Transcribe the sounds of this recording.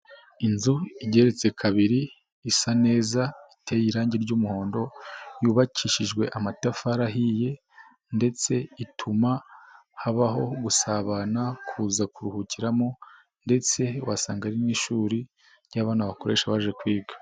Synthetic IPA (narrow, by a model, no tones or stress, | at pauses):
inzuiɟe̞ɾe̞t͡se̞kʰaβiɾiː | sane̞ːzaitejiɾaːɲɟeɾɟuːmuho̞ːndo̞juːβacʰiʃiʒɡwe̞ʔamatafaɾaɦije̞ | nde̞t͡se̞itʰuma | haβaɦo̞ɡusaβanakʰuːzakuɾuhuciɾamo | nde̞t͡se̞wasaːŋɡaɾiniʃuːɾi | ɾɟaβaːnaβako̞ɾe̞̰ːʃaβaʒe̞kwiːɡḁ